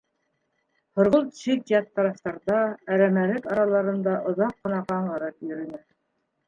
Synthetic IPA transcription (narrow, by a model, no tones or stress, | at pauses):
hŏɾʁolˠt̪ʃitjɑt̪ːɑɾɑft̪ɑɾd̪ɑæɾæmæɾɘkɑɾɑlˠɑɾɤ̆nd̪ɑʔŏðɑqːɤ̆nɑqɑɴʁɤ̆ɾɤpjɵ̆ɾɘ̆næ